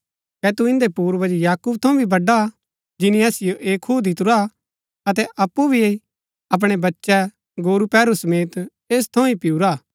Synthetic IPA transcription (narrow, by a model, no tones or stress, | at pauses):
kɛt̪uɪ̃nd̪epuːɾbɐd͡ʒjaːkuːb̚t̪ʰɐ̃ũbʱibɐɖːa | d͡ʒɪnĩɐːsɪjoʔeːkʰːud̪ɪt̪ʊɾa | ɐt̪̬ɛʔɐpːubʱie | ɐp̬ɽ̃ebɐtːʃɛ | ɡoːɾupɛːɾusɐmeːt̪ | eːs̬t̪ʰɐ̃ũipɪuɾaː